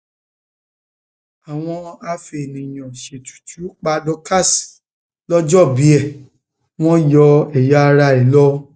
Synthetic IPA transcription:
a˨w̃ɔ̃˧a˧fe˨nĩ˨j̃ɔ̃˨ʃe˨tu̥˨ti˨˦o˦k͡pa˧dɔ˧ka˦˨si̥˨ | lɔ˦d͡ʒɔ˦˨bi˨˦ɛ˦˨ | w̃ɔ̃˦jɔ˧ɛ˨ja˨˦˧ɾa˧ɛ˨lɔ˦

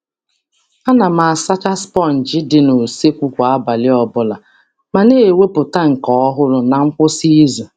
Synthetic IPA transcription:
a˦na˨ma˨sa˦t͡ʃa˦spɔ˦˨n̩˨d͡ʒɪ˦dɪ˨no˨se˦kʷu˦kʷa˨a˦ba˨lɪ˦ɔ˦bʊ˦la˨ | ma˨ne˦˨we˦pʊ˨ta˦ŋ̩˨kɔ˨˦ɔ˦ɦʊ˦lʊ˦na˨ŋ̩˦kʷʊ˦si˦zo˨

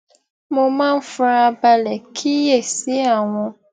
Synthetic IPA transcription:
mʊ˨ma˦m̩˦fʊ˦ɾa˦ba˦le˨kʰi˦je˨si˦a˨ŋʷʊ˦

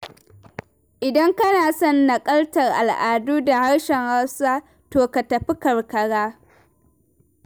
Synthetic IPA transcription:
ʔɪ˨dɐ˦ŋkɐ˦naː˨sɔ˦nːɐ˨kʼɐ˦ltɐ˨rʔa˨lʔaː˨duː˦da˨ha˦ɽʃɛ˨ŋha˦wsaː˦ | toː˨ka˨tɐ˨ɸi˦kɐ˨rkɐ˨ɽaː˦

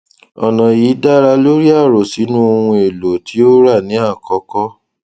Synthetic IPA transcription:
ɔ̰˨nã˨ji˨˦da˦ɾa˧lo˦ɾi˦a˦˨ɾo˨si˨˦nũ˦o˧hũ˧e˨lo˨tʰi˨˦o˦ɾa˦˨nĩ˨˦a˦˨kɔ˧˦kɔ˦

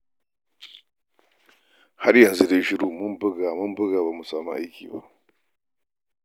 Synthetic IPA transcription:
ha˦ɽjɐ˨nzu˦de˦ʃɪ˦ɽuː˦˨mʊ˦mbɪ˦ɡaː˨mʊ˦mbʊ˦ɡaː˨baː˨mu˨saː˨mṵ˦ʔa˦jkʲḭː˨ba̰˦˨ʔ

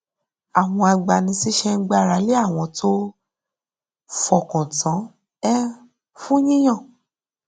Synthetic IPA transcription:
a˨w̃ɔ̃˧a˧ɡ͡ba˨nĩ˧si˦ʃɛ˧ŋ̩˦ɡ͡ba˧˨ɾa˨˦le˦a˦˨w̃ɔ̃˧tʰo˦ | fɔ˨kɔ̃˨tã˨˦ | ɛ˦ | fũ˦ɲĩ˦j̃ã˦˨

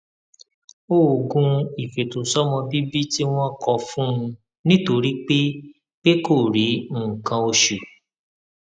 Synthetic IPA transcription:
o˦˨ɡũ˧˦i˨fe˨to˨sɔ˦mɔ̃˧bi˦bi˦ti˦w̃ɔ̃˦kɔ˧fũ˦ũ˧ | nĩ˦to˧ɾi˦k͡pe˦ | k͡pe˦ko˦˨ɾĩ˨˦˨kã˧o˧ʃu˨

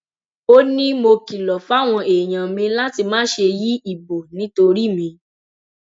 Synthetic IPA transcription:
o˦nĩ˦mo˧ki˨lɔ˨fa˦˨w̃ɔ̃˧e˨j̃ã˨mĩ˧la˦ti˧mãː˨˦ʃe˧ji˦i˦˨bo˨nĩ˨˦to˧ɾi˦˨mĩ˧

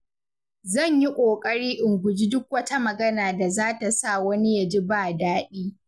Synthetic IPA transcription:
zɐ˦˨ɲji˦kʷʼoː˨kʼɐ˦ɽiː˦ʔɪ˨ŋɡʷʊ˨d͡ʒi˦dʊ˦k̚wɐ˦ta˦mɐ˨ɡɐ˦naː˨da˨zaː˦ta˨sa˦˨wɐ˦ni˦ja˨d͡ʒi˦baː˦˨daː˦ɗiː˦

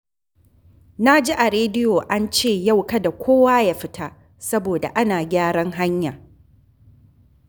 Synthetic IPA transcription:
na˦d͡ʒi˦ʔa˨ɾeː˦dɪ˦jo˨ʔa˦nt͡ʃeː˦˨ja˦wkɐ˦da˨kʷʰoː˦waː˦ja˦ɸɪ˦tʰa˦ | sɐ˦boː˨da̰˨ʔa˦naː˨ɡʲaː˦ɽɐ˦ŋɦa˦ɲja˨

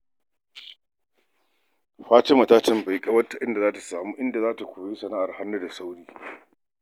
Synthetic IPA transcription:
ɸaː˦t͡ʃe˦mɐ˨taː˦tɐ˦mba˨jkʼɐ˦wɐ˦tːa˨ʔɪ˦nda˨zaː˦ta˨saː˨muː˦ʔɪ˦nda˨zaː˦ta˨kʷoː˨je˦sɐ˨naː˦ʔa˨rha˦nːu˦da˨sa˦wɽiː˦

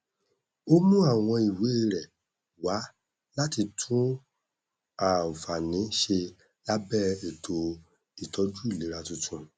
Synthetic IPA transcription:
o˦mũ˦a˦˨w̃ɔ̃˧i˨we˨˦e˧˨ɾɛ˨ | wa˨˦ | la˦ti˧tʰũ˦ | a˨fa˨nĩ˨˦ʃe˧ | la˦bɛ˦˨e˨tʰo˧ | i˨tʰɔ˨˦d͡ʒu˦i˦˨le˨˦ɾa˦tũ˧tʰũ˧

